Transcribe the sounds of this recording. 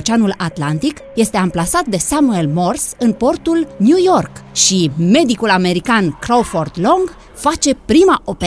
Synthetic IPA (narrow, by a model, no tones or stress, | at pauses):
t͡ʃanulat̪lant̪ik | je̞st̪e̞amplasat̪̚d̪e̞samue̞lmo̞rsɨnpo̞rt̪ulnjujo̞rkʃime̞d̪ikulame̞ɾikankɾowford̪lo̞ŋɡ | fat͡ʃe̞pɾimaʔo̞p